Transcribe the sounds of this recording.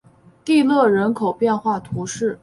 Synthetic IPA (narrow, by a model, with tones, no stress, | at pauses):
t̪i˥˧lɤ˥˩ɻə˧˥nkʰo˨˩ʊpjɛ˥˧nxwa˥˩t̪ʰu˧˥ʂɻ̩˥˩